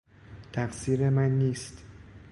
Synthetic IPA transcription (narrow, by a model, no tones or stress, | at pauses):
t̪ʰæfsiːɾemænːiːst̪